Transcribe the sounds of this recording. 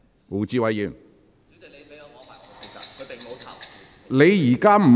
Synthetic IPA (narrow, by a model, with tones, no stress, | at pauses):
u˨˩t͡ɕi˧˥wa˨˧˥ji˧˥˩n˨˧˨ | le˨˧jiː˨˩kaː˥m̩˨˩